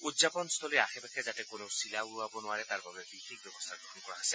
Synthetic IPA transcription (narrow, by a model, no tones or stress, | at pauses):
udzapɔnst̪ʰɔlɔjaxɛbɛkʰɛzatɛkonosilauabɔnʊaɹɛt̪aɹbabɛbixik̚bɔbɔst̪ʰaɡɹɔɦɔnkɔɹaɦasɛ